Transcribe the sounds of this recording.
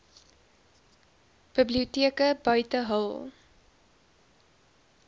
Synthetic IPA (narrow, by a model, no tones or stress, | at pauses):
b̥əbliutiəkəbœɥtəɦəlˠ